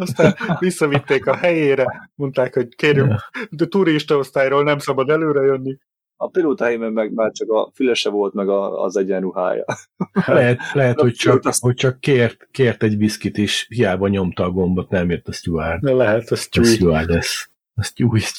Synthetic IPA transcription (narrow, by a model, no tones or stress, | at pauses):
ɒst̪anʋisːɒvit̪ːeːkɒhɛjeːɾɛmo̞nt̪aːkho̞ɟkeːrjymt̪uɾiʃt̪ɒo̞st̪aːjroːlnɛmsɒbɒd̪ɛløːɾɛjønːi | ɒpiloːt̪ɒhɛjimɛmmːɛɡmaːrt͡ʃɒkɒfylɛʃɛvo̞lt̪mɛɡɒ̰ːzɛɟɛnɾuɦa̰ːjɒ̰lɛɦɛt̪lɛɦɛt̪ho̞ct͡ʃɒhoc̚t͡ʃɒkːeːrt̪keːrt̪ɛɟbiskit̪eːʃhijaːbɒɲo̞mt̪ɒːɡo̞mbo̞t̪nɛmjɛt̪ːɒstuaːrlɛɦɛt̪ɒsusuaːɛs | ɒscuːj